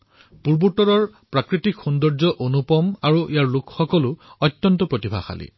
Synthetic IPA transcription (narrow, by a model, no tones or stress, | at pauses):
puɹbutɔɹɔɹpɹakɹitikxundɔɹzɔʔonupɔmaɹuʔijaɹlʊkxɔkɔlʊɔtːjɔntɔpɹotibʱa̰xa̰lḭ